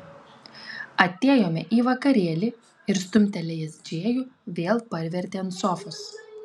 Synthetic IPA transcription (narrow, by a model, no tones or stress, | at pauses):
ɐt̪ʲeːjoːmʲɛʔiːʋɐkɐɾʲeːlʲɪ | ɪɾst̪ʊmʲt̪ʲɛlʲɛjɛsd͡ʒʲeːjuʋʲeːlˠpɐɾʲʋʲɛɾʲt̪ʲeːnt̪sɔfʊs